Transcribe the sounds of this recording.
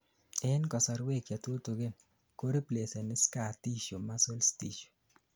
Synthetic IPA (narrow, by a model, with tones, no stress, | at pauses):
ɛ˦nkɔ˨sɔ˨ɾwe˦˨kja˨two˦to˨ɡɪ˦n | ko˦ɾi˦ple˨se˨nɪ˦ska˨ti˦ʃo˨ma˦so˦lsti˦ʃo̥˨